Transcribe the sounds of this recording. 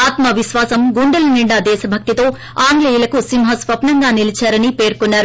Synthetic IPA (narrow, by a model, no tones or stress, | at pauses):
aːt̪mɐʋiʃʋaːsɐmɡuɳɖɐlɐniɳɖad̪ɛːʃɐbʱɐk̚t̪it̪o̞ː | aːŋɡleːjulɐkusimɦɐsʋɐpnɐŋɡaːnilit͡ʃaːɾɐnipe̞ːɾkunːaːɾu